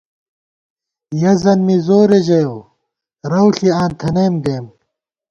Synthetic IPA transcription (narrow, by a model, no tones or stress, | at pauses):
jɐzɐnmizoːɾeʑɐjow | ɾɐwɬiaːnt̪ʰɐnɐjmɡeːm